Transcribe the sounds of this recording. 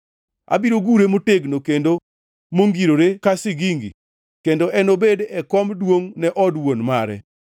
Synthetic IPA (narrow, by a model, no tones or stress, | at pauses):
a̰biɾoɡuɾemoteɡnokendo | moŋɡiɾoɾekasɪɡiŋɡḭ | kendoʔɛnobedɛkɔmdwoŋnɛʔɔdwonmaɾɛ̰